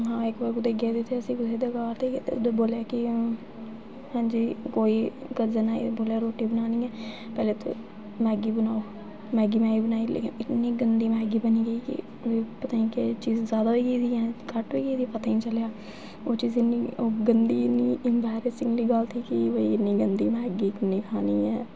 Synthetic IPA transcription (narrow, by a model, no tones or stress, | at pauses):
ɦãːɪkbəɾkʊd̪eːɡeːd̪et̪ʰeəsĩːkʊt̪eːd̪eɡaːɾt̪ed̪eːboːljaːkɪ | hãːɲd͡ʒiːkoːiːkəzənaːḭboːljaːɾoːʈiːbənaːnĩːɛː | pɛːleːt̪o̰ː | mɛ̃ːɡiːbənaːo | mɛ̃ːɡiːmɛ̃ːiːbənaːilḛːkɪ̰nɪt̪nĩːɡənd̪iːmɛ̃ːɡiːbəniːɡəiːkɪ̰ | iːpət̪aːĩkɪt͡ʃiːzzjaːd̪aːʋiːɡiːd̪iːɛ̃ːkəʈʋiːɡiːd̪ipət̪aːĩːt͡ʃəljaː | oːt͡ʃiːzɪnːiːoːɡənd̪iːniːʔɪmbɛːɾeːsɪ̃ŋɡliːɡəlt̪ʰiːkiʋəiɪniːɡənd̪iːmɛ̃ːɡiːkɪniːkʰaːniːɛː